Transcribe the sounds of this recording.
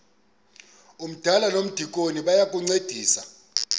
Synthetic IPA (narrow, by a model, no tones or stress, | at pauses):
um̩d̥ʱalanom̩d̥ʱik̬ʼoniɓajak̬ʼuŋ͡ǀed̥ʱiːsa